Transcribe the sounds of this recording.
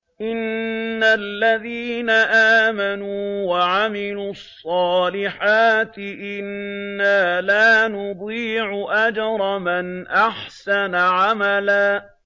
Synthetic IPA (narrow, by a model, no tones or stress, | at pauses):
ʔɪnːalːaðiːnaʔaːmanuːwaʕamɪluːɑsˤːɑːlɪħaːt̪ɪʔɪnːaːlaːnʊd̪ˤiːʕʊʔad͡ʒɑɾˤɑmɪnʔaħsanaʕamalaː